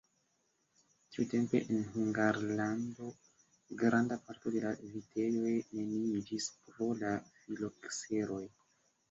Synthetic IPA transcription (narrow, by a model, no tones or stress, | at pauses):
tiute̞mpe̞̰ʔenɦuŋɡaɾlando̞ | ɡɾandapaɾto̞de̞lavitʰe̞jo̞jne̞niid͡ʒispɾo̞lafilokse̞ɾo̞j